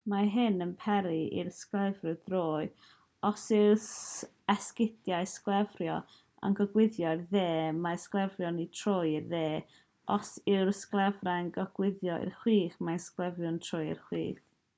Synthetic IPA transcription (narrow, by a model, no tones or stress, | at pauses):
maɦɨnənpʰɛɾiḭrsklˠɛvrɨdroːɨ | ɔsɪs | ɛskɪdjajsklˠɛvrjɔ | a̰nɡɔɡwɪðjɔðeːmasklˠɛvrjɔnitʰrojɪrðeː | ʔɔsɪwrsklˠɛvraənɡɔɡ̥wɪðjɔɪ̰rχwiːχmasklˠɛvjʊntʰrojɪ̰rχwḭːθ